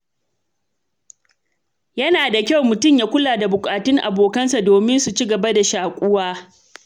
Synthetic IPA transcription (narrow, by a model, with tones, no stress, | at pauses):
jɐ˦naː˨da˨kʲa˦˨wmʊ˨tʊ˦˨mjaː˦kʷʊ˦laː˨da˨bʊ˨kʼaː˨tʊ˦ŋʔa̰˨boː˨kɐ˦nsa˨doː˨mɪ˦nsu˨t͡ʃɪ˦ɡɐ˨ba˦da˨ʃaː˨kʷʼʊ˦waː˦